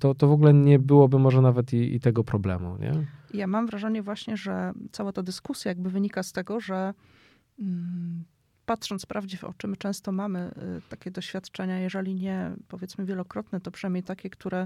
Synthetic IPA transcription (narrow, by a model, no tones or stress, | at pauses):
t̪ɔt̪ɔvɔɡulɛɲɛbɘwɔbɘmɔʐɛnavɛt̪iḭt̪ɛɡɔpɾɔblɛ̰mṵɲɛ̰ijamamvɾaʐɛɲɛvwaɕɲɛʐɛt̪sawat̪ad̪ɘskusʲjajaɡ̚bɘvɘɲikast̪ɛɡɔʐɛ | pat̪ʂɔnt̪pɾavd͡ʑivɔ̰t͡ʂɘmɘt͡ʂɛ̃w̃st̪ɔmamɘ̰t̪akʲɛd̪ɔɕfʲjat̪t͡ʂɛɲajɛʐɛlʲiɲɛpɔvʲjɛt̪smɘvʲjɛlɔkɾɔt̪nɛt̪ɔpʂɨnajmɲejt̪akʲɛkt̪uɾɛ